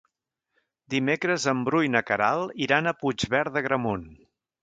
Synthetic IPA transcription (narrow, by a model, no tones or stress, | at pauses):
d̪imekɾəzəmbɾujnəkəɾalˠiɾanəpud͡ʒβɛɾðəɣɾəmun